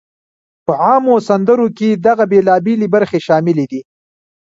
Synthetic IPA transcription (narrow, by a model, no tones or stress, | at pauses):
pəʕɑmosand̪əɾoked̪aɣabelɑbɪlibaɾxeʃɑmɪled̪i